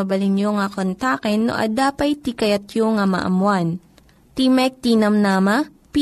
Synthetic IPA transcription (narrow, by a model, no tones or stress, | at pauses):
ɐbɐlɪnjoŋakont̪aːkɛnːo̰ʔɐ̰d̪aːpɐjt̪ikɐjɐt̪joŋamɐ̰ʔɐ̰mwan | t̪imɛk̚t̪inɐmnamɐ | p